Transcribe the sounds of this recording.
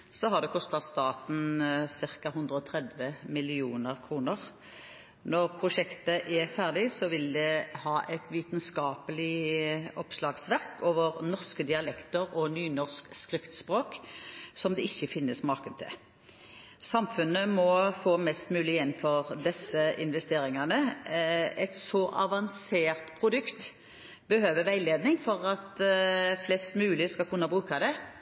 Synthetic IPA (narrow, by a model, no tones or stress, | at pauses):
sɔɦɑd̪ɛkʰɔst̪ɑt̪st̪ɑːt̪n̩sɪʁkɑɦʉnd̪ʁəɔt̪ʰɾɛd̪ʋəmɪlɪuːnəʁkʰɾuːnəʁ | nɔʁpʰɾʊʃɛkt̪əʔɛʁfæʁd̪ɪsɔʋɪld̪ɛhɑːʔɛt̪ʋiːt̪nskɑːpəlɪɔpslɑːɡsʋæʁkoːʋəʁnɔʁskəd̪ɪɑlɛkt̪əɾɔnyːnɔʁskskʁɪft̪spʁoːksɔmd̪ɛɪçːəfɪnːəsmɑʁkənt̪ʰɪ̰l | sɑmfʉnːəmɔfoːmɛst̪mʉːlɪɛnfɔʁd̪ɛsːəɪnʋɛst̪eːɾɪŋɑnə | ɛt̪sɔʔɑ̰ʋɑnseːʁt̪pʰʁʊd̪ʉkt̪ | bəhøːʋəʋæɪleːd̪nɪŋfɔʁɑt̪ | flɛst̪mʉːlɪskɑlkʰʊnːɑbʁʉːkɑd̪ɛ